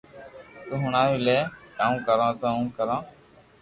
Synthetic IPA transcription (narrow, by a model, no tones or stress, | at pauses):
t̪uɦʊɳaːʋiːleːaːũːkəɾãːt̪ãũːkəɾãː